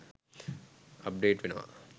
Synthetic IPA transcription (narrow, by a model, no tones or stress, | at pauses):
ɐp̚ɖeːʈʋinɐʋɐ̰